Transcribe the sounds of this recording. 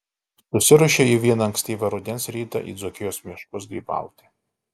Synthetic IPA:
sʊsʲɪɾʊʃʲeiʋʲiɛnɐɐŋksʲt̪ʲiːʋʲɐɾʊd̪ʲɛnsɾʲiːt̪ɐ̰ʔḭːd̪zɔkʲɪjoːsmʲiɛʃkʊsd̪ʲiːbɑ̰ˑʊt̪ʲɪ

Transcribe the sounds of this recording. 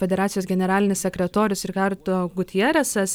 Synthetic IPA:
fʲɛd̪ʲɛɾɑːt̪ʲɪjoːsɡʲɛnʲɛɾɑːlʲɪnʲɪssʲɛkɾʲɛt̪oːɾʲʊsɪɾkɑɾt̪oːɡʊt̪ʲɪjɛɾʲɛsɐs

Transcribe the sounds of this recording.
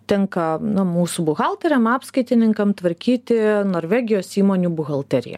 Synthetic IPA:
t̪ʲɛŋkɐnɐmuːsubʊɣɑlˠt̪ʲɛɾʲɛmɑːpskɐɪt̪ʲɪnʲɪŋkɐmt̪ʋɐɾʲkʲiːt̪ʲɪnoːɾʲʋʲæːɡʲɪjoːsiːmoːnʲuːbʊɣɐlˠt̪ʲɛɾʲɪ̰jɛ̰

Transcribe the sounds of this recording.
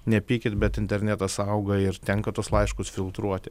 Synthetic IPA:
nʲɛpʲiːkʲɪt̪bʲɛt̪ɪnʲt̪ʲɛɾʲnʲɛt̪ɐsɐʊɡɐɪɾt̪ʲɛŋkɐt̪uɔslˠɐɪʃkʊsfʲɪlˠt̪ɾuɔt̪ʲɪ

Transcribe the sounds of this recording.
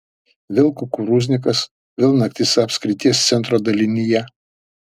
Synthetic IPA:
ʋʲɪlˠkʊkuɾuzʲnʲɪk̬ɐs | ʋʲɪlˠnɐkt̪ʲɪsɐpʲsʲkɾʲɪt̪ʲiɛst̪sʲɛnt̪ɾoːd̪ɐlʲɪnʲijɛ

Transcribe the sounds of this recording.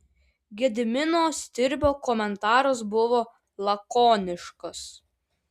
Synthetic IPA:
ɡʲed̪ʲɪmʲɪnoːsʲt̪ʲɪɾʲbʲoːkɔmʲɛnt̪ɑːɾos̬bʊʋoː | lˠɐkoːnʲɪʃkɔs

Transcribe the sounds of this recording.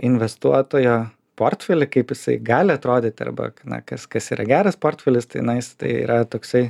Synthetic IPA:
ɪnʲʋʲɛst̪uɔt̪oːjoː | poːrt̪ʲfʲɛlʲɪkɐɪpjɪsɐɪɡɑːlʲɪɐt̪ɾoːd̪ʲeːt̪ʲɪɐ̰rbɐ̰nɐ̰kɐskɐsiːɾɐ̰ɡʲæːɾɐspoːrt̪ʲfʲɛlʲɪst̪ɐɪjnɐɪɪst̪ɐ̰ɪḭːɾɐt̪oːksɐɪ

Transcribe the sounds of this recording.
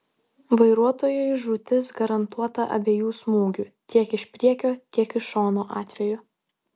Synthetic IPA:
ʋɐɪɾuɔt̪oːjojʒut̪ʲɪsɡɐɾɐnt̪uɔt̪ɐʔɐ̰bʲeːjuːsmuːɡʲut̪ʲiɛkɪʃpʲɾʲiɛkʲoːt̪ʲiɛkɪʃoːnoːʔɑːt̪ʲʋʲɛjʊ

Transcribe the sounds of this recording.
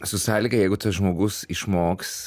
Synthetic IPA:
sʊsɑːlʲiɡɐjɛɪɡʊt̪ɐsʒmoːɡʊsɪʃmoːks

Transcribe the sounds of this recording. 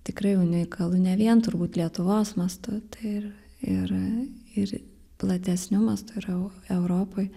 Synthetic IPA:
t̪ʲɪkɾɐɪjʊnʲɪɪkɐlˠʊnʲɛʋʲiɛnt̪ʊɾbuːt̪lʲiɛt̪ʊʋoːsmɐst̪ʊt̪ɐɪɪr | ɪɾɪɾ | plˠɐt̪ʲɛsʲnʲʊmɐst̪ʊɪɾɛʊɛʊɾoːpoj

